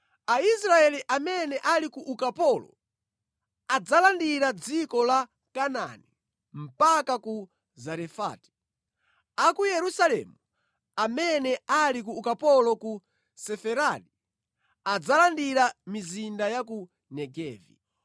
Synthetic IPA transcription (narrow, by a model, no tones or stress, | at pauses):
aisɾaɛliʔamɛnɛʔalikuʔukapɔlɔ̰ | ad͡zalandiɾad͡zikɔla | kana̰ni | m̩pakaku | zaɾɛfa̰ːti̥ | akujɛɾusalɛ̰mu | amɛnɛalikuːkapɔlɔku | sɛfɛɾali | ad͡zalandiɾamizindajaku | nɛɡɛːvḭ